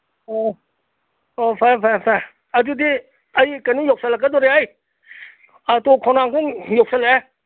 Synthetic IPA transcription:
o | oːfɛfɛfɛ | atut̪i | ajkanijok̚salakat̪oɾaaj | at̪okʰɔnaːŋkɔŋjok̚salɛ

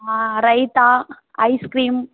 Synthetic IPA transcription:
ɾɐɪt̪aː | ɐɪskɾiːm

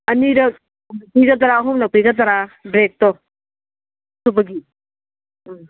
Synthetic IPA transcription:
ɐniɾɐ | piɡɐt̪ɐɾaɦomlak̚piɡɐt̪̬aɾabɾek̚tɔ | subɐɡi

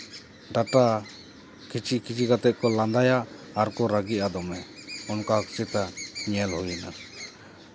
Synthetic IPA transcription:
ɖaʈa | kit͡ʃikit͡ʃiɡat̪ɛʔ̚kɔland̪ajaː | ɾkɔɾaɡiʔad̪ɔmɛɔnkakt͡ʃɛt̪aɲɛlhujɛna

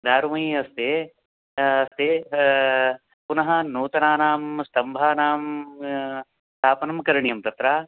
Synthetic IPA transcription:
d̪aːɾumɐɦiɐst̪eː | ɐst̪eː | punɐɦɐ̆nuːt̪ɐnaːnaːmst̪ʰɐmbʱaːnaːm | st̪ʰaːpɐnɐmkɐɾɐɳijɐmt̪ɐt̪ɾaː

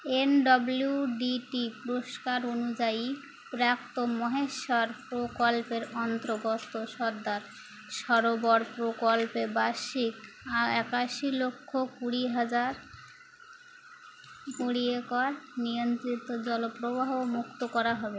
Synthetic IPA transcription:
enɖɔbluɖiʈipɾoʃkaɾonud͡ʑai | pɾap̚t̪omɔɦeʃaɾpɾokolpeɾɔnt̪ɾoɡot̪ːoʃɔɾd̪aɾ | ʃɔɾobɔɾpɾokolpebaʃik | aɛkaʃilokʰːokuɽiɦad͡ʑaɾ | poɽiekɾnijont̪ɾit̪ːod͡ʑɔlopɾobaɦomukt̪okɔɾaɦɔbe

